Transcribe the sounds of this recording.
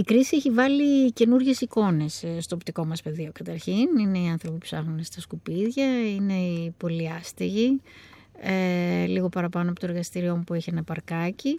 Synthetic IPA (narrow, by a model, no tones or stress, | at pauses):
ikɾisieçivɐlice̞nuɾʝe̞siko̞ne̞sst̪oːpt̪iko̞mɐspe̞ðio̞kɐt̪ɐɾçinine̞iɐnθɾo̞pipupsɐxnunst̪ɐskupiðʝɐine̞ipo̞liɐst̪iʝi | eliɣo̞pɐɾɐpɐnoɐpo̞t̪oeɾɣɐst̪iɾio̞mupueçe̞nɐpɐɾkɐci